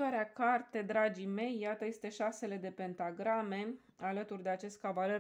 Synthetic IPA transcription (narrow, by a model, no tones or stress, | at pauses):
aɾeakart̪e̞d̪ɾad͡ʒime̞jːat̪əje̞st̪e̞ʃase̞le̞d̪e̞pe̞nt̪aɡɾame̞ | alət̪urʲd̪e̞at͡ʃe̞st̪̚kavaler